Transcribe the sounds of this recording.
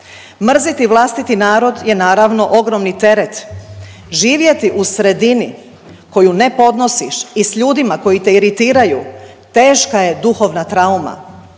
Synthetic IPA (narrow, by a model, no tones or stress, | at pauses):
mr̩zit̪iʋlˠast̪it̪inaːɾo̞d̪je̞naːɾaʋno̞ʔo̞ɡɾomnit̪e̞ɾet̪ | ʒiːʋje̞t̪iʔusɾe̞d̪ini | ko̞june̞po̞d̪no̞siʃisʎuːd̪imako̞jit̪e̞iɾit̪iːɾaju | t̪e̞ːʃkaje̞d̪uxo̞ʋnat̪ɾauma̰